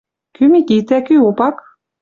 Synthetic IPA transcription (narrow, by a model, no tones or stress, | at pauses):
kymikit̪ækyopɑk